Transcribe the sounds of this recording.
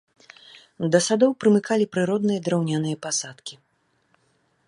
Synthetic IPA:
d̪ɐsad̪ɔwpɾɨmɨkalʲipɾɨɾɔd̪nɨjɐd̪ɾawnʲanɨjɐpasat̪kʲi

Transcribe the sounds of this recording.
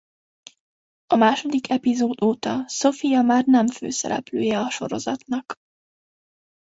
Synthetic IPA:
ɒmaːʃo̞d̪ikʰɛpizoːd̪oːt̪ɒso̞fijɒmaːrnɛɱfø̰ːsɛ̰ɾʔɛ̰plø̰ːjɛɒʃo̞̰ɾo̞̰zɒt̪nɒk

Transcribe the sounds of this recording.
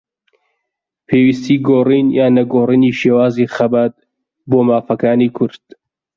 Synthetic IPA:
pʰeːwist̪iːɡoːriːnjaːnɐɡoːriːniːʃeːwaːziːxɐbat̪̚ | boːmaːfɐkaːniːkʰʊɾd̪̥̚

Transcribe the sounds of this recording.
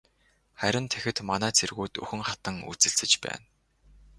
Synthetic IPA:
χæɾʲɪ̆nt̪ʰexɘ̆t̪manæːt͡sʰerɣuːt̪ɵ̰xɘ̆ŋχḁt̪ə̆ŋṵt͡sɘ̆ɬt͡sɘ̆t͡ɕpæ̰ːn

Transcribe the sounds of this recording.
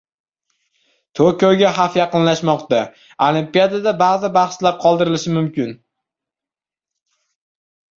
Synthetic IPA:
t̪ʰokʲoɡʲaɦafjɑqɨnlaʃmɒqt̪a | olˠimpijad̪ad̪abazɪbɑχslaɾ̚qʰɒlˠd̪ɪɾɪlɪʃɪmʊmkʲɪn

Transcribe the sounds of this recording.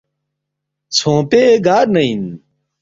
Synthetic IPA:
t͡sʰõːpeɡaːɾnɐin

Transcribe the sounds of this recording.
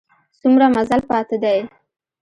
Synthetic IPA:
sumɾamazalpɑt̪ɪd̪aj

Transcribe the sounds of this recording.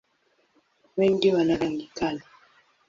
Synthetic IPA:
wɛndiwanaɾaŋɡikala

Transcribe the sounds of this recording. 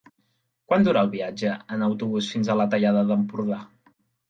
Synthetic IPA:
kwand̪uɾaːlˠβiad͡ʒəənəwt̪uβusfinzələt̪əʎaðəðəmpuɾða

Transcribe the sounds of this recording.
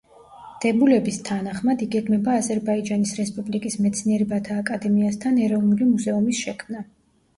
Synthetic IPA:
d̪̥ɛbulɛbist̪ʰanaχmad̪iɡɛɡmɛbaːzɛɾbaid͡ʒanisɾɛspʼublikʼismɛt̪sʰniɛɾɛbat̪ʰaːkʼad̪ɛmiast̪ʰanɛɾɔvnulimuzɛumisʃɛkʰmna

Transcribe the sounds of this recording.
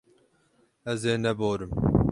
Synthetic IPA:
ɐzeːnɐboːɾɪm

